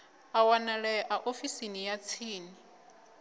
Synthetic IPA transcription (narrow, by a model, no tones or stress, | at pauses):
awanalɛʔaʔofisinijat͡sʰiːni